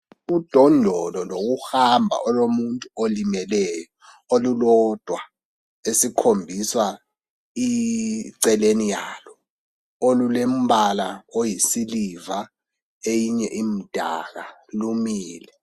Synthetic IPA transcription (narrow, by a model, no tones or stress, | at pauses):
ud̥ʱɔndʱɔlɔlok̬uhambʱa̰ʔɔlomuntʼuolimɛlɛːjɔ | olulɔd̥ʱwa | esikʰombʱiswa | iǀɛlenijaːlɔ | olulem̩ɓalaojisiliva | ejiɲɛʔim̩d̥ʱa̰k̬alumiːlɛ